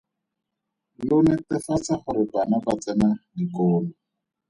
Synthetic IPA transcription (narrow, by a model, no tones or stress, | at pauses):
lʊnɛtɪfat͡saχʊɾɪbanabat͡sɛnadikoːlʊ